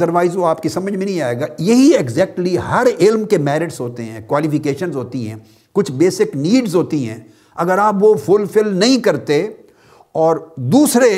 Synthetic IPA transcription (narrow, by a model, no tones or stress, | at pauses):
əɾʋaːɪzʋoaːpkisɐ̃məd͡ʒʱmẽnɐ̃ɦĩaːeːɡaːjɐɦieɡzɛːk̚ʈliɦɐɾɪlmkemɛːɾɪʈsɦoːt̪eɦɛ̃ːkwaːlifɪkeːʃənzɦoːt̪iɦɛ̰̃ː | kʊt͡ʃʰbeːsɪkniːɖzɦoːt̪iɦɛ̰̃ː | ɐɡəɾaːpʋofʊlfɪlnɐɦĩkɐɾt̪e | ɔːɾd̪uːsɾe